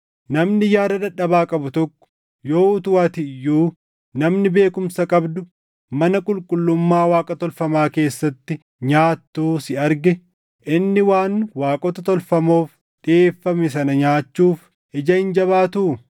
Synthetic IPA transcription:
nɐmnɪjaːɾɐd̪ɐᶑɐbaːkʼɐbʊt̪ɔkːɔ̥ | joːʊt̪ʊwaːt̪ɪjːuː | nɐmnɪbe̞ːkʊmsɐkʼɐbd̪ʊ | mɐnɐkʼʊlkʼʊlːʊmːaːwaːkʼɐt̪ɔlfɐmaːke̞ːsːɐt̪ːɪ | ɲaːt̪ːuːsɪɐɾɡɛ | ʔɪnːɪwaːnwaːkʼɔt̪ɐt̪ɔlfɐmo̞ːf | ᶑɪeːfːɐmɛs̬ɐnɐɲaːt͡ʃːuːf | ɪd͡ʒɐɪnd͡ʒɐβaːt̪uː

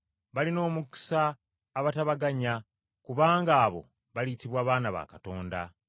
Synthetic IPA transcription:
βalino̞ːmuki̥saː | βataβaɡaɲa | kuβaːŋɡaːβo̞̰ | βalitiβwaːβaːnaβa̰kato̞ːnda̰

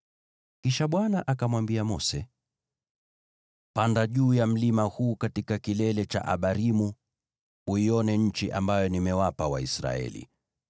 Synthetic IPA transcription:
kiʃaɓwanaʔakamwambiamɔsɛ | pandaʄuːjam̩limahuːkatikakilɛlɛt͡ʃa̰ʔa̰ɓaɾimu | uiɔnɛɲ̩t͡ʃiʔambajɔnimɛwapawa̰ḭsɾa̰ɛ̰lḭ

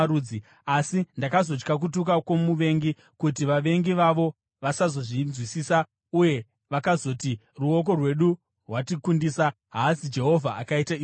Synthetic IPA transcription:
ɾuːi | asindakazo̞d͡ʒkak̬utukakwo̞muʋe̞ŋɡi | kut̬iʋaʋe̞ŋɡiʋaʋo̞ | ʋasazo̞ʐinzwisiːsa | uje̞ | ʋakazo̞ti | ruok̬o̞rwe̞ɗu | rwatikundiːsa | ɦasid͡ʒe̞ɦo̞vʱaakaitai

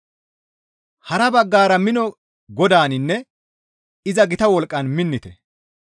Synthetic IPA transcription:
hɐɾɐbɐɡːaːɾɐmɪnɔ | ɡɔd̪aːnɪnːɛ | ɪzɐɡɪt̪ɐwɔlkʼːɐnmɪnːɪt̪ɛ

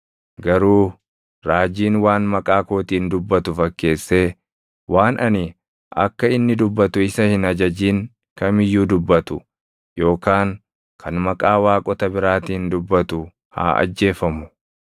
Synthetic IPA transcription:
ɡɐɾuː | ɾaːd͡ʒiːnwaːnmɐkʼaːko̞ːt̪iːnd̪ʊbːɐt̪ʊfɐkːe̞ːsːe̞ː | wʔaːnʔɐni | ʔɐ̰kːɐɪnːɪd̪ʊbːɐt̪ʊɪsɐhɪnɐd͡ʒɐd͡ʒiːŋ | kɐmɪjːuːd̪ʊbːɐt̪ʊ | jo̞ːkaːŋ | kʰɐnmɐkʼaːwaːkʼɔt̪ɐbɪɾaːt̪iːnd̪ʊbːɐt̪ʊ | ha̰ːʔɐ̰d͡ʒːe̞ːfɐmʊ

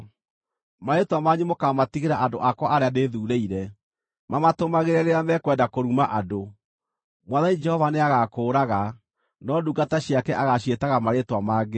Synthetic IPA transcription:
maɾetwamaɲumokamatiɣeɾaʔandoʔakwɔʔaɾeadeðuːɾeiɾɛ | mamatomaɣeɾɛɾeamɛkwɛdakoɾumaʔado | mwaðanid͡ʒɛhɔvaneaɣakoːɾaɣa | nɔduɡataɕiakɛʔaɣaɕetaɣamaɾetwamaːɡe

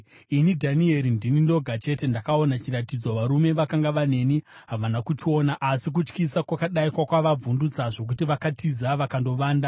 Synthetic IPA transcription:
inidʱanie̞ɾindinindo̞ɡʱat͡ʃe̞te̞ndakao̞nat͡ʃiɾatid͡zo̞ʋaɾume̞ʋakaŋɡaʋane̞ni | ɦaʋanakut͡ʃio̞ːnaʔasik̬ut͡ʃkisakwakaɗaikwakwaʋab͡vundut͡saʐo̞k̬utiʋakatʰizaʋakando̞ʋaːnda

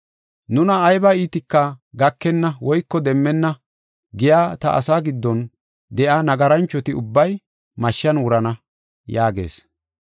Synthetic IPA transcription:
nʊnɐːjbɐiːt̪ɪkːɐɡɐkːɛnːɐwɔjkːɔd̪ɛmːɛnːɐ | ɡɪjaːt̪ɐ̰ʔɐ̰saːɡɪd̪ːɔn | d̪ɛʔanɐɡɐɾɐnt͡ʃːɔt̪ɪʊbːɐj | mɐʃːɐnwʊɾɐnɐ | jaːɡe̞̰ːs

